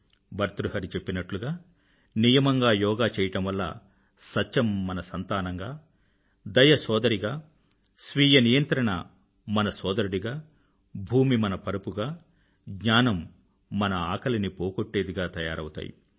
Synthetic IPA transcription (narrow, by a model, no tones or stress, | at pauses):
bɐɾt̪ɾuɦɐɾit͡ʃe̞pːinɐʈluɡaː | nijɐmɐŋɡaːjɔːɡaːt͡ʃɛːjɐʈɐmʋɐlːɐ̰ | sɐt͡ʃːt͡ʃːɐmːɐnɐsɐnt̪aːnɐŋɡaː | d̪ɐjɐsɔːd̪ɐɾiɡaː | sʋiːjɐnijɐnt̪ɾɐɳɐ̰ | mɐnɐsɔːd̪ɐɾuɽiɡaː | bʱuːmimɐnɐpɐɾɐpuɡaː | ɡɲaːnɐmː | ɐnɐaːkɐlɐnipoːkoʈːe̞ːd̪iɡaːt̪ɐjaːɾɐwut̪a̰ːjḭ